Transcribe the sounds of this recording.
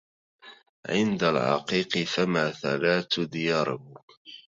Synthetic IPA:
ʕɪnd̪alʕɑ̰qiːqɨfamaːθalaːt̪d̪ɪjɑːɾˤh

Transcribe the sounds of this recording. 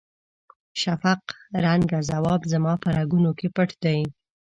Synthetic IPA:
ʃafaqɾaŋɡazawɑbzamɑpəɾaɡunokepəʈd̪aj

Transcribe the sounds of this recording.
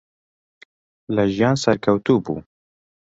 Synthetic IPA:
ləʒijɑːnsɛɾkʰɛwt̪uːbṵː

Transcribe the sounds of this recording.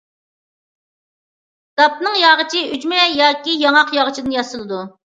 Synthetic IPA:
d̪̥ɑp̚nɨŋjɑʁət͡ʃʰiyd͡ʒmɛjɑːkʲijɑŋɑqjɑʁət͡ʃʰid̪ɨnjɑsɨlˠɨd̪u

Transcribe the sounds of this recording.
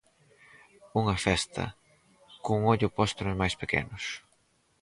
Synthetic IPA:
uŋɐfɛst̪ʰɐ̰ | kuŋɔʎʊpɔst̪ʊnʊzmajspekɛ̰nʊs

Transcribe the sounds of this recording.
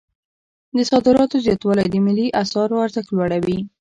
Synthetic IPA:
d̪əsɑd̪ɪɾɑt̪ozjɑt̪wɑlajd̪əmɪliʔasɑɾaɾzəxlwaɽawi

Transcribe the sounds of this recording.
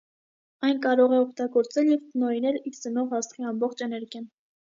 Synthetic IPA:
ɑjnkɑɾɔʁɛɔkʰt̪ɑɡɔɾt͡sɛljɛvt̪ənɔinɛliɾt͡sənɔʁɑst̪χiɑmbɔχt͡ʃʰɛnɛɾɡjɑn

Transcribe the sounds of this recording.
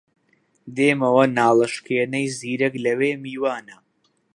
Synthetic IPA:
d̪eːmɐwɐnaːlˠɐʃkeːnɐjziːɾɐklɐweːmiːwaːnɐ

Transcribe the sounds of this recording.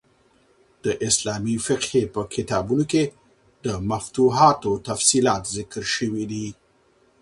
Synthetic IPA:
d̪̥əʔɪslɑmifɪqhepəkʰɪt̪ɑbunoke | d̪əmaft̪uɦɑt̪ot̪afsilɑt̪zɪkəɾʃəwid̪i

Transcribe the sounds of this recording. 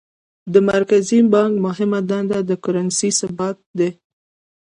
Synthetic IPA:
d̪əmaɾkazibɑŋkmʊɦɪmad̪and̪ad̪əkʊɾansisabat̪̚d̪e

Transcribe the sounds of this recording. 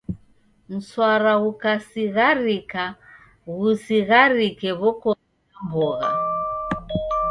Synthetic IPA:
m̩swaɾaɣukasiɣaɾika | ɣusiɣaɾikɛβɔkɔ | mbɔɣa̰

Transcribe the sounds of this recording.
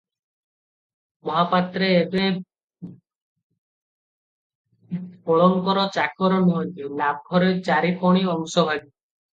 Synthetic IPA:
mɔɦapat̪ɾeːbe | pɔɭɔŋkɔɾɔt͡ʃakɔɾɔnɔɦɔnt̪ilab̚ɡʱɔɾet͡ʃaɾipɔɽ̃iɔŋsɔɦɔli

